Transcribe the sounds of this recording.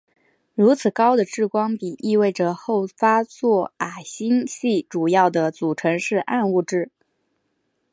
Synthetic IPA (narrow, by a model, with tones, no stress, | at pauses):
ɻu˧˥t͡sʰɹ̩˨˩kɑ˥ʊd̪ə˨ʈ͡ʂɻ̩˥˩kwɑ˥ŋpi˨˩ʔi˥˧we˥˩ɪʈ͡ʂə˩xo˥˩ʊfa˥t͡swɔ˥˩a˨˩ɕi˥ŋɕi˥˩ʈ͡ʂu˨˩jɑ˥˩ʊd̪ə˩t͡su˨˩ʈ͡ʂʰɤ˧˥ŋʂɻ̩˥˧ʔa˥˧nu˥˧ʈ͡ʂɻ̩˥˩